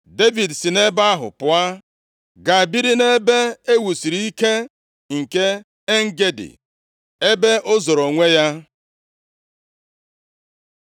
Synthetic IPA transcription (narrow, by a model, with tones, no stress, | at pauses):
de˦vi˨dsi˨ne˦ba˦a˦ɦʊ̰˨pʊ˦a˦ | ɡa˨a˨bi˦ɾi˦ne˦be˦e˦wu˨si˨ɾi˨˦i˦ke˦ | ŋ̩˨ke˦ | e˦ŋ̩˦ɡe˦dḭ˨ | e˦be˦ʔʊ˦zo˨ɾo˨ŋʷe˦ja˦